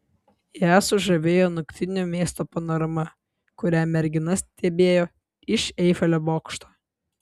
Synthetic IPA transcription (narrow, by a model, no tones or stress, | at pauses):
jæːsʊʒɐʋʲeːjoːnʊkʲt̪ʲɪnʲumʲeːst̪oːpɐnɐɾɐmɐ | kʊɾʲæmʲɛɾʲɡʲɪnɐsʲt̪ʲɛbʲeːjoː | ɪʃɛɪfɐlʲoboːkʃt̪oː